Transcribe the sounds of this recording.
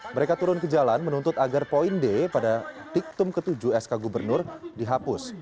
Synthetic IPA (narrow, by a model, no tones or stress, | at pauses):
məɾekat̪uɾʊnkəd͡ʒalanmənunt̪ʊt̪aɡarpoindepadat̪ik̚t̪ʊmkət̪ud͡ʒuɛskaɡubərnʊrdiɦapʊs